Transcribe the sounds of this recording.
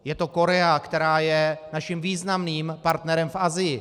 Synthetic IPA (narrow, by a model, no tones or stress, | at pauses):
jɛt̪o̞ko̞ɾɛakt̪ɛɾaːjɛnaʃimviːznamniːmpaɾt̪nɛɾɛmfʔazɪjɪ